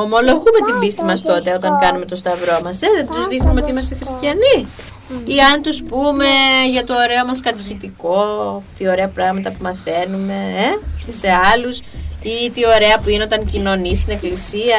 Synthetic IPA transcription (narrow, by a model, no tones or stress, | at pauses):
o̞mo̞lo̞ɣume̞t̪imbist̪imɐst̪o̞t̪e̞o̞t̪ɐŋkɐnume̞t̪o̞st̪ɐvɾo̞mɐseðet̪uzðixnumeo̞t̪iimɐst̪exɾist̪çɐni | iɐnt̪uspume̞ʝɐt̪o̞ːɾe̞omɐskɐt̪içit̪iko̞t̪io̞ɾe̞ɐpɾɐɣmɐt̪ɐpumɐθe̞nume̞ece̞se̞ɐlusit̪io̞ɾe̞ɐpuineot̪ɐŋcino̞nist̪ine̞klisiɐ